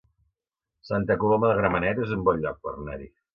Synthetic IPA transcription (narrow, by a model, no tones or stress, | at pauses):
sant̪əkuloməðəɣɾəmənɛt̪ezumbɔʎɔk̚pə̰rnɛ̰ɾḭ